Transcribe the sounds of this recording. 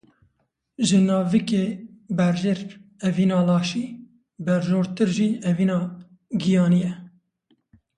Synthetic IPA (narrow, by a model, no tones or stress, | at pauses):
ʒɨnɑːvikeːbɛɾʒeɾɛviːnɑːlɑːʃiː | bɛɾʒoːɾt̪ɨɾʒiːɛviːnɑː | ɡijɑːnijɛ